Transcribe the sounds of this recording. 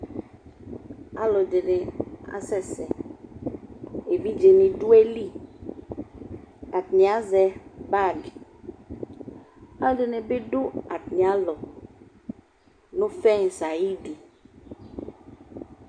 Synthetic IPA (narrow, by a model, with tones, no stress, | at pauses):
a˨lɔ˨de˨ne˨a̰˨sɛ˦˨sɛ˨ | e˨vi˦d͡ʒe˨ne˨ɖu˦e˦li˦ | a˨tnĩ˨a˦zɛ˨ba˦˨ɡ | a˦lɖe˨ne˨be˦ɖo˦a˨tnĩ˨a˦lɔ˨ | nõ˦fɛ˦ŋ̩˨sa˨ji˦ɖi˨